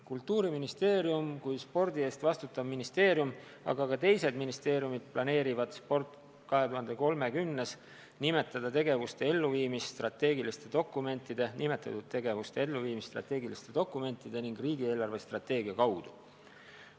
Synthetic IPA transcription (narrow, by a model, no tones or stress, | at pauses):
kult̪ːuːɾiminist̪e̞ːɾjumkujspo̞rd̪ie̞st̪vɑst̪ut̪ːˑɑbminist̪e̞ːɾjum | ɑ̰ɡ̥ɑkɑt̪e̞jse̞d̪̥minist̪e̞ːɾijumid̪̥̚plɑne̞ːɾivɑd̪̥spo̞rt̪ˑ | kɑɦe̞t̪uɦɑnd̪̥e̞ko̞lme̞kymnːes | nime̞t̪ːˑɑd̪̥ɑt̪e̞ɡe̞vust̪e̞e̞lːuviːmisːt̪rɑt̪ːe̞ːɡilist̪e̞d̪̥o̞kːˑume̞nʲt̪ːˑid̪̥e̞nime̞t̪ːˑɑ̰t̪ːud̪̥̚t̪e̞ɡe̞vust̪e̞e̞lːuviːmist̪rɑ̰t̪ːe̞ːɡilist̪e̞d̪̥o̞kːˑume̞nʲt̪ˑːid̪̥e̞niŋɡriːɡie̞ːlɑrve̞st̪rɑt̪ːe̞ːɡiɑkɑwd̪̥u̥